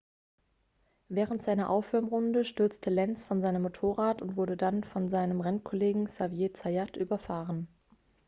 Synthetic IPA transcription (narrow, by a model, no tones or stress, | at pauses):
vɛːʁ̞əntz̥aɪnɐʔaʊfʁ̥ʏɐmʁʊndəʃtʏɐt͡stʰəlɛnsfɔnzaɪnəmːotʰoːʁaːtʊntv̥ʊɐɾədanfɔnzaɪnəmʁɛnkʰɔleːɡŋ̩savjeːt͡sajatʔyːbɐfaːʁən